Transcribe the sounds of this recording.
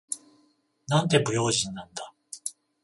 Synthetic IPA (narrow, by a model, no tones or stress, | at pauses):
nãnt̪e̞bɯ̟jo̞ːʑĩnːãnd̪a